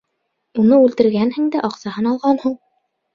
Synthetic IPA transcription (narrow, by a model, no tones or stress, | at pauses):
unɤʉlt̪ɘ̆ɾɡænhɘ̆ŋd̪æʔɑqsɑhɤnɑlˠʁɑnhuɴ